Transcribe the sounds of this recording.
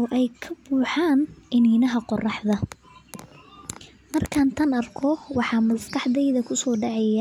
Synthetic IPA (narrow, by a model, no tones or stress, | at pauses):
ɔːʔɛjkʰɐbuːħɑːnɪniːnɐɦɐqɔrɑħðɐ | mɐrkʰaːnt̪ʰɐnɐrkʰɔwɑħɑːmɐskɑħðɛjðɐkʰʊsɔːɖɑʕɛja